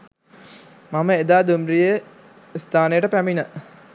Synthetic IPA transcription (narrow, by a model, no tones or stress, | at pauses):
maməed̪aːd̪umrijə | st̪ʰaːnejəʈəpæminə